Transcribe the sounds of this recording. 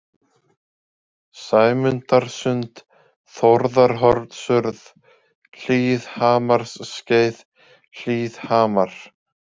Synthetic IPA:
saːjmʏnt̪aɾ̥sʏnt̪ | θɔɾðaɾ̥ɦɔɾt̪sʏɾð | ɬiːðhaːmaɾ̥ssceːjð | l̥iːðhaːmaɾ̥

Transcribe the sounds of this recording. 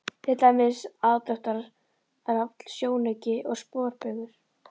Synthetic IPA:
θʰɪt̪aːjmɪsaːðt̪œht̪aɾ | ɾaft̪l̥sjoːwnecɪʔɔɣspɔːɾpʏɣʏɾ̥

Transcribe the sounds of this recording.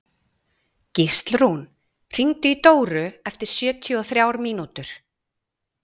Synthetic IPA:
cɪst̪lɾun | r̥iŋt̪ʏit̪oːwɾʏɛft̪ɪɾ̥sjœːt̪ʰjɔθɾjaːwɾmiːnut̪ʏɾ̥

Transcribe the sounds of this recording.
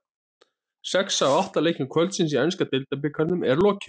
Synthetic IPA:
sɛksawaht̪aleːjcɪnkʰvœlt̪sɪnsiɛnskat̪ɪlt̪ap̬ɪkʰaɾnʏmɛɾlɔːcɪ̥

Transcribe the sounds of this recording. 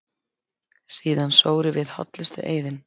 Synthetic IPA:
siːðansoːwɾɪvɪðhɔ̰t̪lɪst̪ʏ̰ʔeːjðɪn

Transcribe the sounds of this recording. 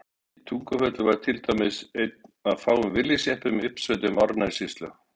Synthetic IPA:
it̪ʰuŋkʏfœt̪lʏvaɾ̥t̪ʰɪlt̪amɪsejt̪̚aðfaːwʏmvɪljɪsjɛhpʏmɪpsœt̪̬ɪmaɾnasist̪lʏ̰

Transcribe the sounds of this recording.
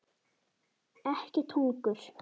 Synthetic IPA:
ɛhcɪt̪ʰuŋkɵɬ

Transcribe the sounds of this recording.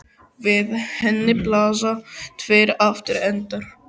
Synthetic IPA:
vɪðhɛnːɪplaːs̬at̪ʰveːɾaft̪ɪɾɛnt̪aɾ̥

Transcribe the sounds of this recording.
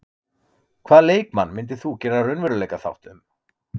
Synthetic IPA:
kʰvaːðleːjkmanːmɪnt̪̬ɪθucɛːnarʏnvʏɾʏleːjkaθa̰wht̪ʏm

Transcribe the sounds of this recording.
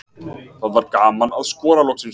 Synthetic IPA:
θaðvaɾɡaːmanaðskɔːɾalɔksɪn

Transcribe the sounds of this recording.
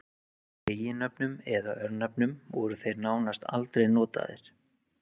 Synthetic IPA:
eːjɪnœpnʏmɛðaœɾnœpnʏmvɔɾʏθejɾnaːwnast̪a̰lt̪ɾejnɔːt̪a̰ðɪ̰ɾ̥

